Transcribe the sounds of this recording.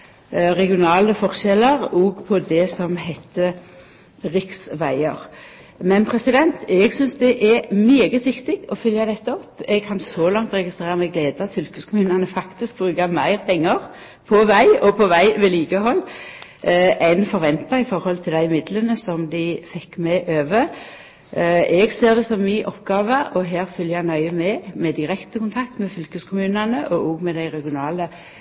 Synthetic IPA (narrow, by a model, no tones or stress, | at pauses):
ʁɛɡɪʊnɑːləfɔʁʃɛləʁɔɡpʰɔd̪ɛsɔmhɛt̪ʰːə | ʁɪksʋæɪəʁ | mɛnpʰɾɛsɪd̪ɛnt̪ɛɡsʏnsd̪ɛʔɛmyːɡət̪ʋɪkt̪ɪɡɔfʏljɑd̪ɛt̪ːəɔpːɛɡ̚kʰɑnsɔlɑŋt̪ɾɛɡɪst̪ʁeːɾɑmɛɡleːd̪əɑt̪fʏlkəskʰʊmʉːnənəfɑkt̪ɪsk̚bʁʉːɡɑmæɪʁpʰɛŋːəʁ | pʰɔʋæɪɔpʰɔʋæɪʋɛliːɡəɦɔlː | ʔɛɪnfɔɾʋɛnt̪ɑɪfɔɾhɔlt̪ʰɪld̪æɪmɪd̪lənəsɔmd̪ɪɪfɛkːmɛʔøːʋə | ɛɡseːʁd̪ɛsɔmːiːʔɔpːɡɑːʋəʔɔɦeːɾfʏljænœʏəmɛmɛd̪ɪɾɛkt̪əkʊnt̪ʰɑkt̪mɛfʏlkəskʰʊmʉːnɑnəʔɔʔɔːɡmɛd̪æɪʁɛɡɪʊnɑːlə